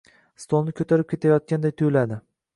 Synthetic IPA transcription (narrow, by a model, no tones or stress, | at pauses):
st̪ʰɒnnɪkʲʰɵt̪ʰaɾɪp̚kʲe̞t̪ʰajɒt̪̚kʲand̪ajt̪ʰojlad̪ɪ